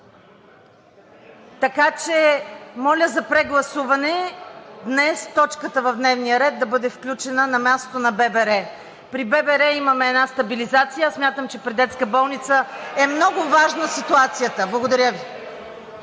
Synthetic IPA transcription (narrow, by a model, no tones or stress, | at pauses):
t̪ɐkat͡ʃɛmɔlʲəzɐpɾɛɡlˠɐsuvɐnɛd̪nɛst̪ɔt͡ʃkət̪əvɐvd̪nɛvnijəɾɛd̪̚d̪ɐbɤd̪ɛfklʲut͡ʃɛnənɐmʲjast̪o̥t̪onɐbɛbɛɾɛ | pɾibɛbɛɾɛimɐmɛːdnast̪ɐbilizat̪sijəsmʲjat̪əmt͡ʃɛpɾid̪ɛt̪skəbɔlˠnit̪səɛmnɔɡʊvaʒnəsit̪uat̪sijət̪əblˠɐɡod̪ɐɾʲjəvi